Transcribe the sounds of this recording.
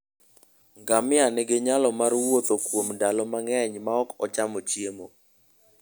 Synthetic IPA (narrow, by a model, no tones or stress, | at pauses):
ŋɡamɪanɛɡeɲalɔmarwot̪okwomndalɔmaŋɛɲmaɔkɔt͡ʃamɔt͡ʃjemo